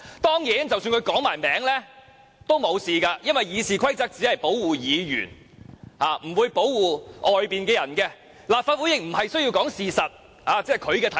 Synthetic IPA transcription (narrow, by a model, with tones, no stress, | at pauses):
t̪ɔː˥ŋjiː˨˥nt͡sɐ˨wsyː˧nkʰɵ˨˧ɥkɔː˨˥ŋmaː˨˩jmɛː˨˥ŋlɛː˥ | t̪o˥wmo˨˧wsiː˨kaː˧jɐ˥nwɐ˨jjiː˨˧siː˨˩kʷʰɐ˥jt͡sɐ˥k̚t͡siː˨˥hɐ˨jpo˨˥wwuː˨˩jiː˨˧jy̰ː˨˩n | haː˨˧m̩˨˩wuː˨˧jpo˨˥wwuː˨ʔɔː˨jpiː˨nkɛː˧jɐ˨˩nkɛ˧ | laː˨p̚faː˨t̚wu˨˥jɪ˨k̚m̩˨˩hɐ˨jsɵ˥ɥjiː˧wkɔː˨˥ŋsiː˨sɐ˨t̚ | haː˨˧t͡sɛː˥˩kʰɵ˨˧ɥkɛː˧t̪ʰɐ˨˦